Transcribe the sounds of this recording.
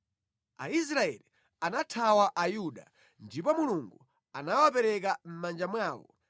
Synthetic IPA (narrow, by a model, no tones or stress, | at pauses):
a̰is̬ɾaɛ̰li | anatʰawaʔajuɗa̰ | ndipɔmuluŋɡu | anawapɛɾɛk̬am̩mand͡ʒamwaːwɔ̰